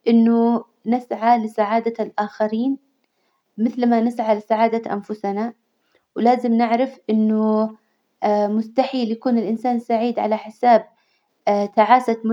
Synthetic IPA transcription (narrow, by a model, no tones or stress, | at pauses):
ʔɪnːʊ | nɪsʕalɪsaʕaːd̪alʔaːxaɾiːn | mɪθlmanɪsʕalɪsaʕaːd̪aʔa̰nfʊsna | wlaːzɪmnɪʕɾɪfʔɪnːʊ | mʊst̪aħiːljakuːnɪlʔɪnsaːnsaʕiːd̪ʕa̰laħɪsaːb̚ | t̪aʕaːsamʊ